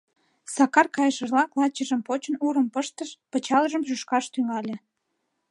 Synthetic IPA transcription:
sɑkɑrkɑjəʃəʒlɑklɑt͡ɕəʒəmpot͡ɕənuɾəmpəʃt̪əʃpət͡ɕɑləʒəmʒyʃkɑʃt̪yŋɑlʲe

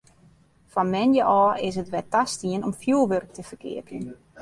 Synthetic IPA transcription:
fɔnmɛnjəʔɔːɪs̬ətʋɛtastiənɔmfjulˠʋørk̚təfərkʰɪ̰ətən

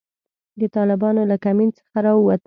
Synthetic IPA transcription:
d̪ət̪ɑlɪbɑnolakamint͡sə̥xaɾɑwat̪

